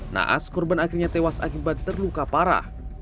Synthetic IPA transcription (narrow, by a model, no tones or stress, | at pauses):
na̰ʔa̰skɔrbanakɪrɲat̪ewasakibat̪ːərlukapaɾa̰